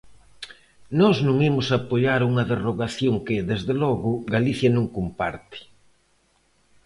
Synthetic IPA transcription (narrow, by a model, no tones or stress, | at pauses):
nɔznũŋimʊsapoʎaɾuŋɐðeroɣaθjoŋkɪðezðelɔɣʊɡaliθjɐnũŋkompaɾt̪ɪ̥